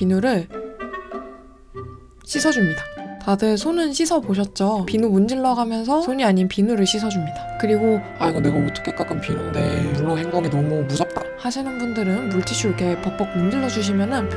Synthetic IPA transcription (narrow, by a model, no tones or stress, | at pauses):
pinuɾɯɭ | ɕʰisʰʌd͡ʑumɲidatadɯsʰonɯnɕʰisʰʌboɕ̬ʰʌt̚t͡ɕ͈opinumund͡ʑiɭːʌɡamjʌns̬ʰʌsʰoɲiaɲinpinuɾɯɭɕʰisʰʌd͡ʑumɲidakɯɾiɡo | aiɡʌne̞ɡaot͈ʰʌ̥kʰek͈ak͈ɯnpinunde̞̰bunɯnhe̞ŋɡoŋinʌmumud͡ʑʌp̚t͈ahaɕʰinɯnbundɯɾɯnbuɭt͡ɕ͈ʰiɕʰuɭɡe̞pʌk̚p͈ʌk̚mund͡ʑiɭːʌd͡ʑuɕ̬ʰimjʌnɯn